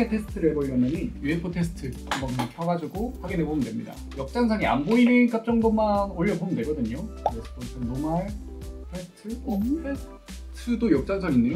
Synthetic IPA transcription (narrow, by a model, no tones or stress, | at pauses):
etʰe̞sʰɯ̥tʰɯɾɯɭboɭːʌmjʌɲijuɦepʰotʰe̞sʰɯ̥tʰɯambʌat͡ɕʰwaɡad͡ʑuɡoɸaɡinebomɯndwemɲida̰ | jʌk̚t͡ɕ͈aŋsʰʌŋia̰nboinik͈ap̚t͡ɕ͈ʌŋdomanoʎːʌbomɯndweɡʌdɯɲouesɯ̥pʰosʰɯnomaɭ | tʰesʰɯ̥tʰɯes | tʰɯdojʌk̚t͡ɕ͈aŋs̬ʰʌŋinːɯ